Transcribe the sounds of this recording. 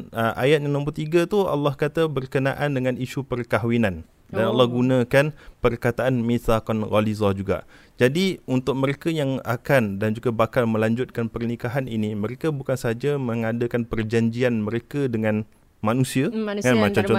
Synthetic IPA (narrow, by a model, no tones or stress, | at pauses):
ʔa̰jat̪̚njaŋlompurt̪iɡat̪ua̰lːɑhkat̪abərkənaʔandəŋãniʃupərkaɦwinan | danalːɑhɡunə̃kanpərkat̪aʔanmĩsakɔnɣɔlizɔd͡ʒuɡa̰ | d͡ʒadiunt̪ʊk̚məɾekajaŋa̰kandand͡ʒuɡabakalmə̃laɲd͡ʒʊt̪̚kanpərnikaɦanḭniməɾekabukansəad͡ʒaməŋadəkanpərd͡ʒaɲd͡ʒianməɾekədəŋãn | manũsiakanmat͡ʃamt͡ʃɔ